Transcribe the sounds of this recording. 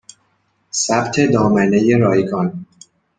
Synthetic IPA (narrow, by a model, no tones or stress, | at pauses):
sæbt̪ʰe̞d̪ɒːmænejeɾɒːjɡɒn